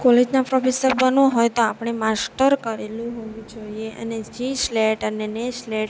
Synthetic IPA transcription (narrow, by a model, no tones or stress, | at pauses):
kɔled͡ʒnapɾɔfʰesəɾbənoɦojt̪oapɳ̃emasʈəɾkəɾelũɦoʋũd͡ʒoieʔə̰ned͡ʒisleʈənenesleʈ